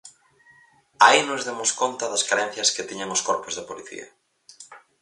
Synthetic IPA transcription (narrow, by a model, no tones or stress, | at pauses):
ainozðemʊskont̪ɐðɐskaɾɛn̟θjɐsket̪iɲaŋoskoɾpozðɪpoliθḭɐ̰